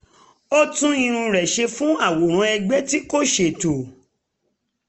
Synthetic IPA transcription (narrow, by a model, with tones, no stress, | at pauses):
o˦tũ˦i˧ɾ̃ũ˧ɾɛ˨ʃe˧fũ˦a˦˨wo˨ɾ̃ã˨˦ɛ˧ɡ͡bɛ˦ti˦ko˦ʃe˧˦˨to˨